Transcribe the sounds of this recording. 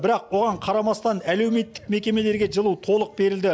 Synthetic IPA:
bɪɾɑq̚wo̞ʁɑɴqʰɑɾɑmɑst̪ɑnæle̞wme̞t̪ːɪ̥k̚me̞kʲe̞me̞le̞ɾɡʲe̞ʒəlˠuwt̪ʰo̞lˠəq̚be̞ɾɪld̪ɪ

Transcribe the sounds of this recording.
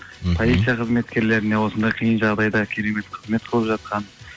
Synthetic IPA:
pʰo̞lʲijt̪sijaqʰəzme̞t̪kʲe̞ɾle̞ɾɪne̞wo̞sənd̪ɑjqʰijənʒɑʁd̪ɑjd̪ɑkʲʰeɾe̞me̞t̪qʰəzme̞t̪̚qʰəlˠəpʒɑt̪̚qɑn

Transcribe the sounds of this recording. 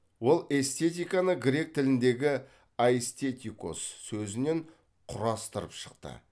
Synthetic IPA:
wo̞lˠe̞st̪e̞t̪ijkanəɡɾʲe̞k̚t̪ʰɪlɪnd̪e̞ɡʲɪ | aest̪ʲe̞t̪ʲiko̰sːɵzɪne̞ɴ | qʰʊɾɑst̪əɾəpʃə̥qt̪ə̰

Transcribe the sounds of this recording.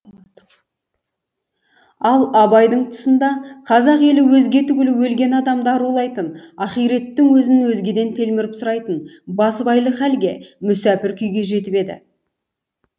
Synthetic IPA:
ɑlˠɑbɑjd̪əɴt̪ʰʊ̥sənd̪ɑqʰɑzɑqe̞lɪwɵzɡʲe̞t̪ʰʏɡʲɪlɪwɵlɡʲe̞nɑd̪ɑmd̪ɑɾulˠɑjt̪ənɑχijɾe̞t̪ːɪŋwɵzɪnwɵzɡʲe̞d̪e̞nt̪ʰe̞lmɪɾɪpsʊɾɑjt̪ənbɑsəbɑjlˠəχælɡʲe̞̰mʏsæpɪɾkʲʰʏjɡʲe̞ʒe̞t̪ɪpe̞d̪ɪ̰

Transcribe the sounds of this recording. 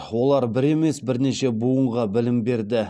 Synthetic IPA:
wo̞lˠɑɾbɪɾe̞me̞sbɪɾneʃe̞buəɴʁɑbɪlɪmbe̞ɾd̪ɪ

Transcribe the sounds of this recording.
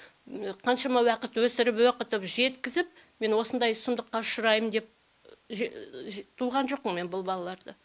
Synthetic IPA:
qʰɑnʃɑmɑwɑqət̪wɵsɪɾɪpwoqət̪əpʒe̞t̪kʲɪzɪp̚ | me̞nwo̞sənd̪ɑjsʊmd̪əqːɑʊʃʊɾɑjəmd̪e̞p̚ | ʒt̪ʰuʁɑnʒoq̚ːəŋme̞nbʊlˠbɑlˠɑlˠɑɾd̪ə

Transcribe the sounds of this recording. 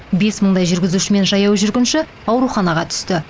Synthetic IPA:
be̞sməɴd̪ɑjʒʏɾɡʲɪzuʃɪme̞nʒɑjɑwʒʏɾɡʲɪnʃɪ | ɑwɾuχɑnɑʁɑt̪ʰʏ̥st̪ɪ

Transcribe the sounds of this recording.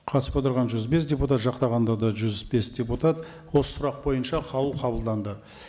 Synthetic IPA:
qʰɑt̪əsə̥pot̪əɾʁɑnʒʏzbe̞sdʲe̞put̪at̪ʒɑqt̪ɑʁɑnd̪ɑd̪ɑʒʏzbe̞sd̪ʲe̞put̪at̪ | wo̞sə̥sʊɾɑq̚bo̞jənʃɑqʰɑwəlˠqʰɑbəlˠd̪ɑnd̪ə

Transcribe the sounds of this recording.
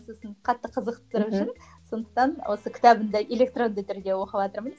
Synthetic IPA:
sosəɴqʰɑt̪ːəqʰəzəqt̪ə̥t̪əɾʃɪnso̞nd̪əq̚t̪ɑnwʔo̞səkʲʰɪ̥t̪ɑbɪnd̪ɪʔe̞lʲe̞k̚t̪ro̞nd̪ət̪ʰʏɾd̪ʲe̞wo̞qəbɑt̪əɾməz

